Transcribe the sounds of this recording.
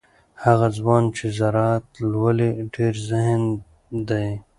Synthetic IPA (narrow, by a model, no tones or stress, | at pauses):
haɣazwɑːnt͡ʃʰezaɾaːt̪lwaleɖeːɾzɪɦn | d̪aj